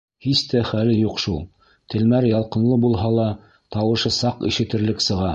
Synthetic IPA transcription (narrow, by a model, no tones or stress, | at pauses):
hist̪æχælɘjuqʃulˠ | t̪ʰɘ̆lmæɾjɑlˠqɤ̆nlˠɤbulˠɦɑlˠɑ | t̪ɑwɤ̆ʃɤsɑqḭʃɘ̆t̪ɘ̆ɾlɘksɤ̆ʁɑ